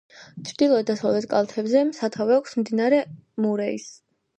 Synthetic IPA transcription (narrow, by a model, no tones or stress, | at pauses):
t͡ʃʰɾd̪ilˠɔɛt̪d̪asɔvɛt̪kʼa̰lˠt̪ʰɛbzɛsat̪ʰavɛakʷʰsmd̪inaɾɛmuɾɛis